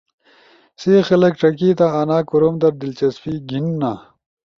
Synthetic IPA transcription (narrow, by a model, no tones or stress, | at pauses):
seːxɐlɐkʈɐkiːt̪aɐnaːkuɾoːmd̪ɐɾd̪ilt͡ɕɐsfiːɡinːa